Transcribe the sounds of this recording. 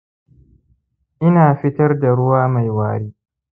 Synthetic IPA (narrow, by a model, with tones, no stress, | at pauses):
ʔɪ˦naː˨ɸɪ˦tɐ˦rda˨ɽʊ˦waː˦ma˨jwaː˨ɽiː˦